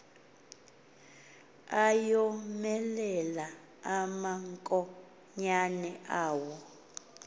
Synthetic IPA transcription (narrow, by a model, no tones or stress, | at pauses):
ajɔmɛlɛla | amaŋkʼɔ | ɲanɛʔaːwɔ